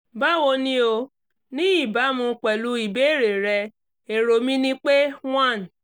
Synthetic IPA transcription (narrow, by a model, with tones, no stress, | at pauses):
ba˦wo˧nĩ˧˦o˧ | nĩ˦i˦˨ba˨˦mũ˧k͡pɛ˨lu˧i˨be˨˦e˦˨ɾe˨ɾɛ˧ | e˨ɾo˨mĩ˦nĩ˦k͡pe˦w̃ã˦˨n˨